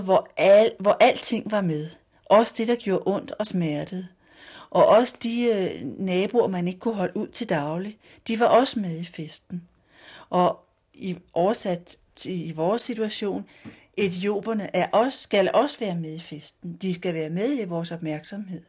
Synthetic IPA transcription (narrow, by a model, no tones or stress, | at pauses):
ʋɒʋɒʔæl̰d̥t͡sʰe̝ŋ̰ʋɑ̈meðˠ | ʔɒ̽səd̥e̝d̥ɑ̈ɡ̥jo̝ːɐʔɔ̽n̰d̥ɒ̽smæɐd̥əð̩ˠ | ʔɒ̽ʔɒ̽səd̥inɛːb̥uɐmæne̝ɡ̥ə̥kʰuɦɒ̽luð̰ˠt͡sʰe̝ld̥ɑ̈ʊli | d̥iʋɑ̈ʔɒ̽səmeð̞ˠifesd̥n̩ | ʔɒ̽ | iʔɒʊɐsæd̥ | t͡sʰeiʋɒːsːit͡sʰuæɕo̝̰ːn | ʔe̝t͡sʰio̝̰ːb̥ɐnəʔæɐʔɒ̽sːɡ̥ælʔɒ̽səʋæːɐmeð̞ˠifesd̥n̩d̥isɡ̥æʋæːɐmeðˠiʋɒːsɒ̽b̥̚mæɐɡ̥sɒ̽mɦe̝ð̞̰ˠ